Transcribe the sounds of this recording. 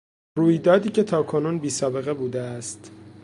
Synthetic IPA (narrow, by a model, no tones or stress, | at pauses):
ruːjd̪ɒːd̪iːcʰe̞t̪ʰɒːkʰo̞nuːnbiːsɒːbe̞ɣe̞buːd̪eæst̪